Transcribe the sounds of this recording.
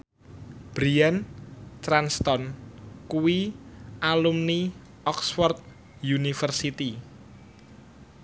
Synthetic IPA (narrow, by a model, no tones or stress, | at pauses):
b̥ɾiant̪ɾanst̪ɔnkuwialumni | ʔɔksfɔrt̪̚ | junifərsit̪i